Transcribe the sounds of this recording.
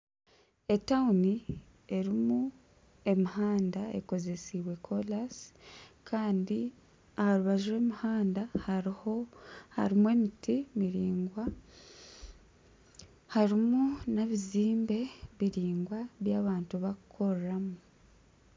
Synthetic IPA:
e̞tauni | e̞ɾimu | e̞miɦaːndae̞̰ko̞ze̞siβwe̞kʰolaskʰaːndi | ahaɾuβaʒiɾe̞ːmihaːndahhoha̰ɾimue̞mitʰimiɾiːŋɡwa | haɾimunaβiziːmbe̞βiɾiːŋɡwaβjaːβaːntuβakʰo̞ɾramu

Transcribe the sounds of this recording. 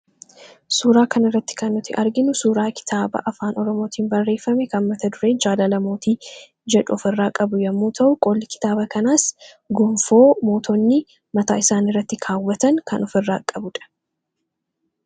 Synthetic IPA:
suːɾaːkɐnɪrːɐt̪ːɪ̥kɐnːʊt̪ːɪʔɐɾɡɪnʊsuːɾaːkɪ̥t̪ʰaːbɐ̰ʔɐfaːnɔɾɔmoːt̪ʰiːnbɐrːe̞ːfːɐmɛkɐnmɐt̪ɐd̪ʊɾe̞ːd͡ʒaːlɐlɐmo̞ːt̪iː | d͡ʒɛᶑʊɔfɪrːaːkʼɐbʊjɐmːuːt̪ʰɐʔʊkʼoːlːɪkɪ̥t̪aːbɐkɐnaːs | ɡʊmfo̞ːmo̞ːt̪ɔnːɪ | mɐt̪aːɪsaːnɪrːɐt̪ːɪkʰaːwːɐt̪ɐŋkɐnɔfɪrːa̰ːkʼɐbʊᶑɐ̥

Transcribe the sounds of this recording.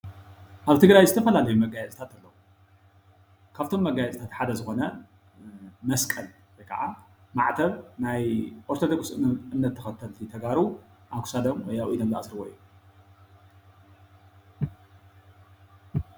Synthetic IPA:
ʔaβt̪ʰɨɡɾajzɨt̪ʰɐfɐlalɐjumɐɡajɛt͡sʼt̪ʰat̪alːɐwu | kʰaβt̪ʰo̞mːɐɡajɛt͡sʼt̪ʰat̪ħad̪ɐzɨxo̞nɐ | mɐskʼɐl | wɔjkʰa̰ʕa | ma̰ʕt̪ʰɐβnajʔoɾt̪od̪okʼsɨʔɨnːɐt̪ʰːɐxɐt̪ʰːɐlt̪ʰit̪ʰɐɡaɾu | ʔaβkʰu̥sad̪ɐmwɔjaʔʔid̪ɐlːɐʔasɾɨβojːu

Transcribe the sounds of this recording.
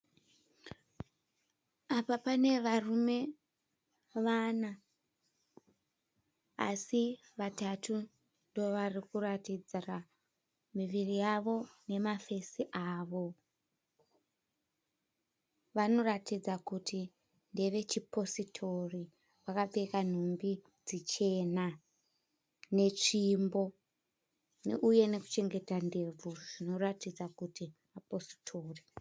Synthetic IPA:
apapane̞ʋarume̞ | ʋana | a̰si | ʋatatu | ndo̞ʋarikuratid͡zira | miʋirijaʋo̞ne̞mafe̞siʔaːʋo̞ | ʋano̞ratid͡zakutʰi | nde̞ʋe̞t͡ʃipo̞sitʰo̞ri | ʋakaɓekan̤umbi | d͡zit͡ʃe̞na | ne̞t͡ʂimbo̞ | neʔuje̞ne̞ku̥t͡ʃe̞ŋɡe̞tande̞b͡vuʐ̥ino̞ratid͡zakutimapo̞si̥tʰo̞ːri

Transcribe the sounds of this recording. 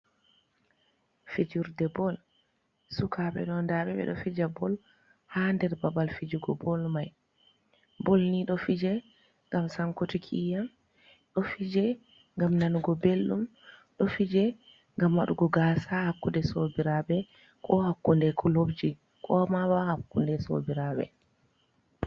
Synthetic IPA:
fid͡ʒuɾdɛbɔl | sukʰaɓɛ̰ɗɔndaɓɛɓɛ̰ɗɔ̰fid͡ʒabɔl | handɛɾbabalfid͡ʒuɡɔbɔlmaj | bɔlniɗɔfid͡ʒɛ | ŋɡamsaŋkotikʰḭjam | ɗɔfid͡ʒɛ | ŋɡamnanuɡɔbelːumɗɔfid͡ʒɛ | ŋɡamwaɗuɡɔɡasahakːundɛsobiɾabɛ | kʰɔhakːundɛkʰulobd͡ʒi | kɔmawahakːundɛso̰biɾaɓɛ̰

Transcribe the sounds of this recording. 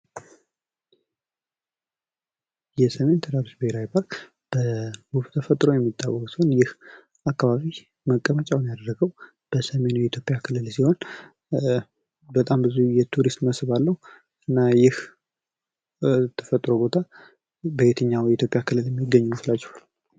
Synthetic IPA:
jɛsəme̞nt̪ʰəd̪aɾusbəheɾawipʰaɾk | b̥əɡuft̪ʰəfət̪ʼɾo̞jɛmːit̪ʼːawːɔkʼsiho̞njɪh | akːaβaβi | məkʼːəmət͡ʃʼawnjad̪ərːəɡəw | b̥əsəme̞nujɛit̪ʰjo̞pʼjakʰɨlːɨlsiho̞n | bət̪ʼambɨzujɛt̪ʰuɾist̪məsɨβalːəhu | ɨnːajɪh | t̪ʰə̥fət̪ʼːɾo̞bo̞t̪ʰa | bəet̪ʰəɲːawjɛit̪ʰjo̞pʼjakʰɨlːɨljɛmːiɡːəɲːuuflat͡ʃːɛ̥hwal

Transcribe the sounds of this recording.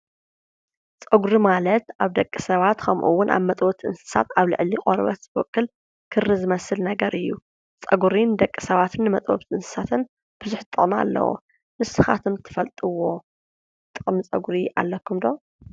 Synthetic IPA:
t͡sʼɐɡuɾimalɐt̪ʔaβd̪ɐkʼːisɐβat̪kʰɐmʔṵwːʊnʔa̰βmɐt̪ʼwoβt̪ʰʔɨ̰nsɨ̥sa̰t̪aβlɨ̰ʕliqʼoɾβɐ̰t̪zɨbokʼːɨl | kʰɨrːizɨmɐsɨlnɐɡɐɾʔɨjːu | t͡sʼɐɡuɾind̪ɐkʼːi̥sɐβat̪ʰɨnːɨmɐt̪ʼo̰βt̪ʰʔɨnsɨ̥sat̪ʰɨn | b̥ɨzʊħt̪ʼːɨχʼma̰lːɐ̰wo̰ | mɨsɨxa̰t̪ʰɨmt̪ʰɨ̥fɐlt̪ʼɨwo̞ | t̪ʼɨχʼmɨt͡sʼɐɡɾiʔa̰lːɐkʰːumd̪o

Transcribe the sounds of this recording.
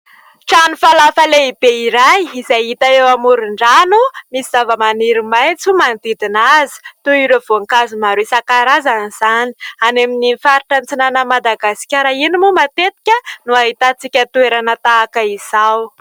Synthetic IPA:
ʈ͡ʂanufalafəleib̥eiɾajizajit̪aewamuɾiɳɖ͡ʐanumisiz̥avəmaniɾimajt͡sumand̪id̪inazi̥t̪uiɾov̥oŋkazimaɾesakaɾazaniz̥ani̥aneminifaɾiʈ͡ʂant͡sinanəmad̪aɡasi̥kʲaɾainimumat̪et̪i̥kʲənuaɦit̪at͡sikʲət̪ueɾanət̪aːkəiz̥aw

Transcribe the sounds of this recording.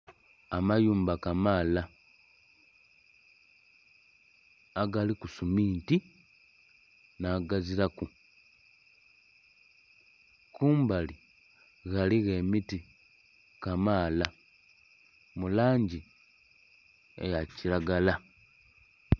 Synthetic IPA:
amajuːmbakamaːla | aɡalikusumiːnti | naːɡaziɾaku | kuːmbali | ɣaliɣe̞miti | kamaːla | mulaːɲɟi | ḛjaciɾaɡala

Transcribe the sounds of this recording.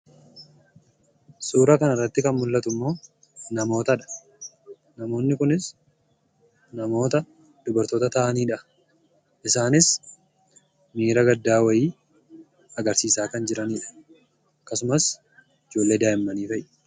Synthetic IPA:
suːɾɐkɐnɐrːɐt̪ːɪkɐnmʊlːɐt̪ʊmːo̞ː | nɐmo̞ːt̪ɐᶑɐ̥ | nɐmo̞ːnːɪkʊnɪs | nɐmo̞ːt̪ɐ | d̪̥ʊbɐɾt̪oːt̪ɐt̪ɐʔɐniːᶑɐ | ʔɪsaːnɪs | miːɾɐɡɐd̪ːaːwɐjiː | ɐɡɐɾsiːsaːkɐnd͡ʒɪɾɐniːᶑɐ̥ | kːɐsʊmɐs | ɪd͡ʒoːlːe̞ːd̪aːʔɪmːɐniːfɐjʔɛ̥

